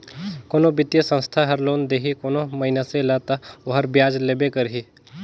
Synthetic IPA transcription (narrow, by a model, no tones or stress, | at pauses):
koːnobɪt̪jəsə̃st̪ʰaɦəɾloːnd̪eɦikoːnoməɪnasẽlat̪aoɦəɾbjaːd͡ʒlebekəɾɦi